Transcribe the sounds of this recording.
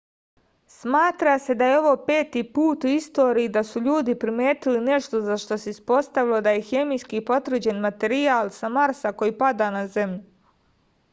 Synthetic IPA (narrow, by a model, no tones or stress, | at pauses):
smaːt̪ɾase̞d̪ajeo̞ʋo̞ːpe̞ːt̪iːpuːt̪uist̪o̞ːɾijːd̪asuʎuːd̪ipɾime̞ːt̪iline̞ʃt̪o̞zaʃt̪o̞seispo̞st̪aʋilo̞d̪aje̞xe̞mijskipo̞t̪vɾr̩d͡ʑe̞nmat̪e̞ɾiaːlsamaɾsako̞jiːpad̪aːnaze̞mʎu